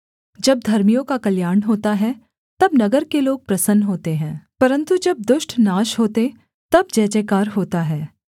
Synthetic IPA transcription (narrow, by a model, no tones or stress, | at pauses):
d͡ʒɐb̚d̪ʱɐɾmijõkakɐljaːɳɦoːt̪aɦɛ | t̪ɐbnɐɡəɾkeloːɡ̚pɾɐsənɦoːt̪eɦɛ̃ːpɐɾə̃nt̪ud͡ʒɐb̚d̪ʊʃʈnaːʃɦoːt̪e | t̪ɐbd͡ʒɛːd͡ʒɛːkaːɾɦoːt̪aɦɛː